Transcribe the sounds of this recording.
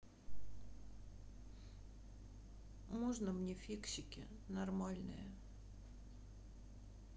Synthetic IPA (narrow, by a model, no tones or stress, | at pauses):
moʐnəmnʲefʲikɕɪkʲɪ̰ | nɐrmalʲnɨ̰jə